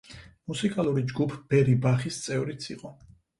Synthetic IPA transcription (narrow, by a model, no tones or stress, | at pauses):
musikʼalˠuɾid͡ʒɡupʰb̥ɛɾibaχist̪sʼɛvɾit̪sʰiqʼɔ